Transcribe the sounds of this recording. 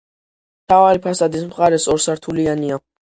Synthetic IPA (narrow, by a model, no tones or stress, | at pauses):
mt̪ʰavaɾipʰasad̪ismχaɾɛsɔɾsaɾt̪ʰuliania